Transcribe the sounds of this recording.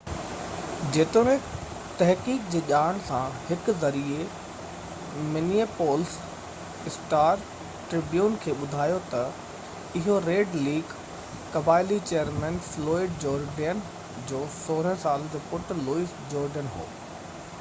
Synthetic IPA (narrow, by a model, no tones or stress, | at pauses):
d͡ʑeːt̪omẽ | t̪ɐɦkiːk̚d͡ʑeːʄaːɽ̃sãhɪkʊ̆zɐɾie | mɪniepoːls | ɪsʈaːɾ | ʈɾɪbjuːnkʰeːɓʊd̪ʱaːjot̪ɐ | ɪɦoɾeːɖliːɡ | kɐbaːɪlit͡ɕeːəɾmɛ̃ːnflɔːɪɖd͡ʑoːɾɖeən | d͡ʑoːsoːɾəə̃saːl̃d͡ʑoːpʊʈʊ̆luːiːsd͡ʑɔːɾɖənɦo̰ː